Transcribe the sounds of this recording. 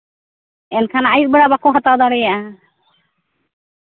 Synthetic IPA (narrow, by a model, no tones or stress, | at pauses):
ɛnkʰanaajit̚bɛɽabakoɦat̪awd̪aɽɛjaʔa